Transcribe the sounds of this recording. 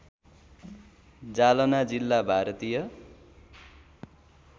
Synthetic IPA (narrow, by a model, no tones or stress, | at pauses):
d͡zalʌnad͡zilːabʱaɾʌt̪ijʌ